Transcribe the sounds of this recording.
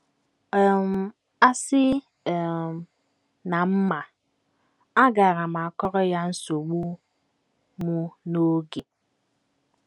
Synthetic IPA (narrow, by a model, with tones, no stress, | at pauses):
m̩˨ | a˦sɪ˦˨ | na˨m̩˦ma˨ | a˦ɡa˨ɾa˨ma˨a˨kɔ˦ɾɔ˦ja˦n̩˦so˨ɡ͡bu˦ | mu˦no˦ɡe˨